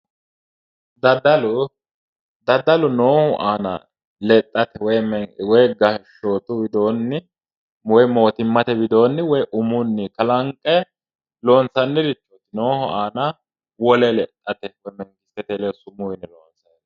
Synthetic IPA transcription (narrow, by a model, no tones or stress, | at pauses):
d̪ɐd̪ɐlʊ | d̪ɐd̪ːɐlʊnoːhʊʔaːnɐ̰ | lɛt̪ʼːɐt̪ɛwɔjmɛwɔjɡɐhʃo̞ːt̪ʊbɪd̪o̞ːnːɪ | wɔjmo̞ːt̪ɪmːɐt̪ɛbɪd̪o̞ːnːɪwɔjʔʊmʊnːɪkɐlɐŋkʼːɛ | lo̞ːnsɐnːɪɾɪt͡ʃːot̪ɪnoːhʊaːnɐ | wɔlɛlɛt̪ʼːɐt̪ɛwɔjmɛŋkɪsɛt̪ɛlɛsʊmʊjɪnɛloːnsɐj